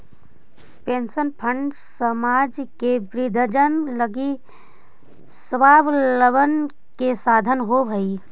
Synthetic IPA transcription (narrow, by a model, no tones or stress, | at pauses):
pẽːnsənpʰə̃ɳɖ | səmaːd͡ʒkebɾɪd̪ʱəd͡ʒənləɡi | sʋaːbləʋən | kesaːd̪ʱənɦobʱəi